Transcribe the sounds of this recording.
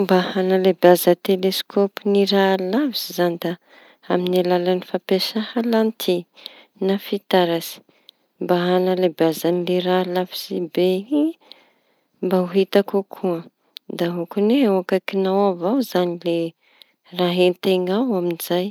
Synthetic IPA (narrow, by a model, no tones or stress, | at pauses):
mbahanalebazət̪eleskʰopiniɾalavisizand̪a | aminalalanifapesahalant̪ʰi | nafit̪aɾasi̥ | mbaɦanalebazanileɾalavi̥sibei | mbauɦit̪akukʰuə | d̪aɦukuneewakakinawavawzanile | raɦent̪eŋawaminiz̥aj